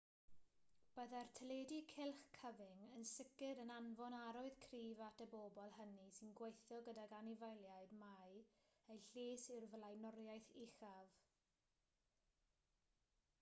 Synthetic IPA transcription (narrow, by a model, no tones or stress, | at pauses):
b̥əðɛrtʰəlˠedikʰɪlˠχkʰəvɪŋənsɪkɨdənanvɔnaɾɔɨð̥kʰriːvatəboːbɔlˠɦənisɪnɡwejθjɔɡədaɡanivajlˠjaɨdmajejɬeːsɪrvlˠajnɔrjajθɪχav̥